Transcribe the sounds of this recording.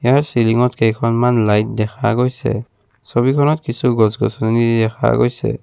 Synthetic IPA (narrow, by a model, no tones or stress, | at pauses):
ɛjaɹsiliŋɔtkejkʰɔnmanlajt̚dɛxʰa̰ɡojsɛ̰ | sobikʰɔnɔtkisuɡɔs̬ɡɔ̰sɔnnidɛxʰa̰ɡo̰jsɛ̰